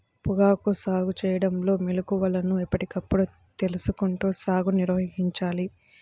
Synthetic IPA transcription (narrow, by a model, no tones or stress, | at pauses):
puɡaːkusaːɡut͡ʃɛːjɐɽɐmlo̞ːmilɐkuʋɐlɐnuipːɐʈikɐpːuɽu | t̪e̞lusukuɳʈuːsaːɡuniɾʋɐɦɦiɲt͡ʃaːli